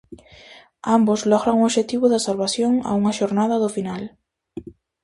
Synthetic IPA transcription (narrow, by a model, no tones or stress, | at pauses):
ambozlɔɣɾaŋuoβʃet̪iβʊðasalβasjoŋa̰uŋaʃoɾnað̞aðofinal